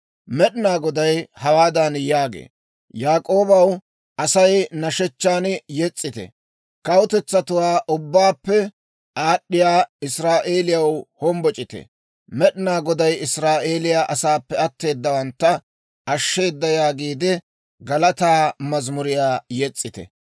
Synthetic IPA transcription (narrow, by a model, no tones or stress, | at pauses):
mɛɗɪnaːɡɔd̪ɐjhɐwaːd̪ɐnjaːɡḛː | jaːkʼo̞ːbɐw | ʔɐsɐjnɐʃɛt͡ʃːaːnjɛt͡sʼːɪt̪ɛ̰ | kɐwʊt̪ɛt͡sːɐt̪ʊwaːʔʊbːaːpːɛ | ʔaːɗːɪjaːɪsɾaːʔe̞ːlɪjɐwhɔmbɔt͡ʃʼɪt̪ɛ̰ | mɛɗɪnaːɡɔd̪ɐjɪsɾaːʔe̞ːlɪjaːʔɐsaːpːɛɐt̪ːe̞ːd̪ːɐwɐnt̪ːɐ | ɐʃːe̞ːd̪ːɐjaːɡiːd̪ɪ | ɡɐlɐt̪aːmɐzmʊɾɪjaːjɛt͡sʼːɪt̪ɛ̰